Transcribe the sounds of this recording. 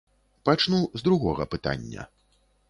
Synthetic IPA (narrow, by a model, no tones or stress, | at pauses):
pat͡ʂnuzd̪ɾuɣɔɣɐ̰pɨt̪a̰nʲːɐ̰